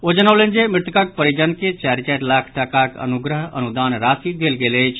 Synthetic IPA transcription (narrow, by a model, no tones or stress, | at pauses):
od͡ʒənəwlend͡ʒemɪt̪kək̚pəɾid͡ʒənket͡ʃaɾit͡ʃɛʈlakʰʈakakə̰nuɡɾəɦə̰nud̪anɾasid̪elɡelət͡ʃʰ